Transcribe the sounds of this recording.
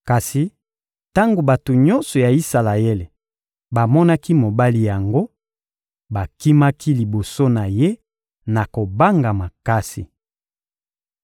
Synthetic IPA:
ka˨si˨ | ta˦ŋɡo˨ba˨to˨ɲɔ˦nsɔ˨ja˨i˦sa˨la˨e˦le˨ | ba˨mɔ˦na˦ki˦mo˨ba˦li˦ja˨ŋɡo˦ | ba˨ki˦ma˦kʰi˦li˨bo˨so˦na˨je˦ | na˨ko˨ba˦ŋɡa˨ma˨ka˦sḭ˨

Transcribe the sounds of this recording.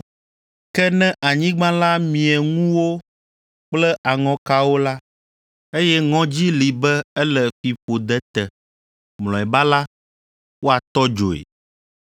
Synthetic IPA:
kɛ˦nɛ̃˦ʔa˨ɲĩ˦ɡ͡bã˦la˦mĩ˨ɛ˨ŋũ˦wo˦ | k͡plɛ˦ʔa˨ŋɔ̃˦ka˦wo˦la˦ | e˦jɛ˦ŋɔ̃˦d͡ʑi˦li˨bɛ˦ɛ˦lɛ˨fi˨fo˨d̪ɛ˦t̪ɛ˨ | mlɔ̃˨ɛ˨ba˦la˦ | wo˦a˨t̪ɔ˦d͡ʒo˨ḛ˨

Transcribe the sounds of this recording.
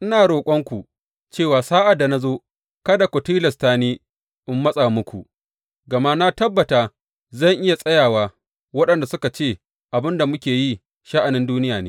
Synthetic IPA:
ʔɪ˦naː˨ɽoː˨kʷʼɔ˦ŋkʷu˨ | t͡ʃeː˦˨waː˨saː˦ʔa˨dːa˨na˦zoː˦ | kɐ˦da˨kʷɔ˨tiː˦lɐ˨staː˦neː˦ | ʔɪ˦mːɐ˦sʼa˨mʊ˦kʷu˨ʔ | ɡɐ˨ma˦na˦tɐ˦bːɐ˨taː˨ | zɐ˦˨ŋʔɪ˦ja˨sʼɐ˦jaː˨waː˦ | wɐ˦ɗɐ˨nda˨sʊ˦ka˨t͡ʃeː˦˨ | ʔa˨bɪ˦nda˨mʊ˦kʲeː˨ji˦ | ʃa˦ʔa˨nɪ˦nduː˦nɪ˦jaː˨neː˦

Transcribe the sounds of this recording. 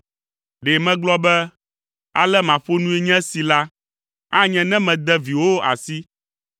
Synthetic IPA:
ɖe˨mɛ̃˦ɡ͡blɔ˦bɛ˦ | a̰˨lɛ˦mã˨ɸo˦nũ˦e˦ɲɛ̃˦si˨la˦ | a˦ɲɛ̃˨nɛ̃˦mɛ̃˨d̪ɛ˦vi˨wo˦a̰˨si˦

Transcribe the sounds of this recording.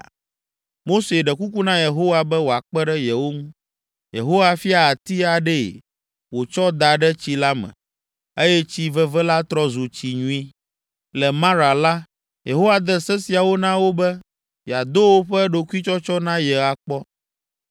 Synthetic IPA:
mo˦se˨ɖɛ˨ku˦ku˦nã˦je˨ɦo˦wa˨bɛ˦wo˨a˨k͡pɛ˦ɖɛ˦jɛ˨wo˦ŋũ˦ | jḛ˨ɦo˦wa˦fi˦a˨a˨t̪i˦a˨ɖɛ̰˦˨ | wo˨t͡ʃɔ˦d̪a˨ɖɛ˦t͡ɕi˦la˦mɛ̰̃˨ | e˦jɛ˦t͡ɕi˦vɛ˦vɛ˦la˦t̪ɾɔ˦zu˨t͡ɕi˨ɲũ˦i˦ | lɛ˨mã˦ɾa˨la˦ | je˨ɦo˦wa˨d̪ɛ˦sɛ˦si˨a˨wo˦nã˦wo˦bɛ˦ | ja˨d̪o˦wo˦ɸɛ˦ɖo˨ku˦i˦t͡ʃɔ˦t͡ʃɔ˦nã˦jɛ˨a˨k͡pɔ˦

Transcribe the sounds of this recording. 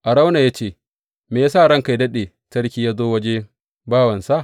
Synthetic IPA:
ʔa˨ɽa˦wna˨ja˦t͡ʃeː˦˨ | meː˨˦saː˦˨ɽɐ˦ŋka˨jdɐ˦ɗe˨ | tɐ˦ɽkʲiː˦jaː˦zoː˦wɐ˦d͡ʒe˦ | baː˦wɐ˨nsa˦˨

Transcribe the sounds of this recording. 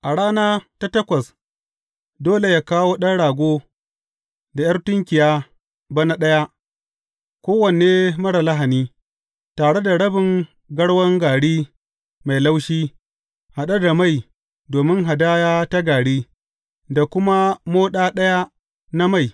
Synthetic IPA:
ʔa˨ɽaː˦naː˦ta˦tɐ˦kʷɐ˨s | doː˦le˨ja˦kaː˦woː˦ɗɐ˦nɽaː˨ɡʷoː˦ | da˨jɐ˦rtʊ˦ŋkʲɪ˨jaː˦ | ba˦na˦ɗɐ˦ja˦ʔ | kʷoː˦wɐ˨n˨eː˦mɐ˦ɽa˨la˦ɦa˨niː˦ | taː˨ɽe˦da˨ɽɐ˦bɪ˨ŋ | ɡɐ˦ɽwɐ˦ŋɡaː˨ɽiː˦ | ma˨jla˦wʃiː˦ | ha˨ɗa˦da˨ma˦˨j | doː˨mɪ˦ŋɦa˨daː˦jaː˦ta˦ɡaː˨ɽiː˦ | da˨kʷʊ˦ma˦moː˦ɗaː˦ɗɐ˦ja˦ | na˦ma˦˨j

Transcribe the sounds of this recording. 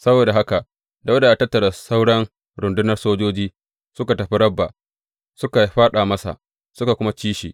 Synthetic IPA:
sɐ˦boː˨da˨ɦa˦ka˨ʔ | da˨wɐ˦da˨ʔa˨tɐ˦tːɐ˨ɽa˨sa˦wɽɐ˦ŋ | ɽʊ˨ndʊ˦nɐ˦rsoː˦d͡ʒoː˦d͡ʒiː˦ | sʊ˦ka˨tɐ˨ɸi˦ɾɐ˦bːa̰˨ | sʊ˦ka˨jɸaː˦ɗaː˨mɐ˦sa̰˨ʔ | sʊ˦ka˨kʷʊ˦ma˦t͡ʃiː˦ʃḭː˨ʔ

